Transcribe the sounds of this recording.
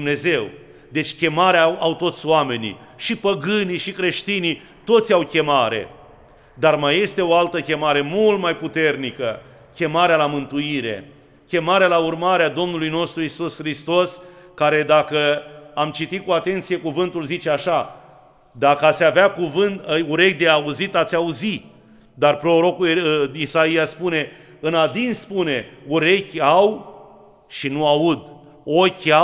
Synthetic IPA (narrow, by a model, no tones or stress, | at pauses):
mne̞ze̞w | d̪e̞t͡ʃʲkʲe̞maɾeaawt̪o̞t̪sʲoame̞nḭʃipəɡɨniʃikɾe̞ʃt̪ini | t̪o̞t̪sʲawkʲe̞maɾe̞̰ | d̪armaje̞st̪e̞o̞alt̪əkʲe̞maɾe̞mult̪majput̪e̞rnikə | kʲe̞maɾealamɨnt̪uiɾe̞̰ | kʲe̞maɾealaurmaɾead̪o̞mnulujno̞st̪ɾuisusxɾist̪o̞skaɾe̞d̪akəamt͡ʃit̪it̪̚kuat̪e̞nt̪sije̞kuvɨnt̪ulzit͡ʃe̞aʃa | d̪akəat̪sʲaveakuvɨnt̪uɾe̞kʲd̪eauzit̪at̪sʲauzi | d̪arpɾo̞ɾo̞kuisaijaspune̞ | ɨnad̪inspune̞uɾe̞kʲaw | ʃinuaud̪ | okʲa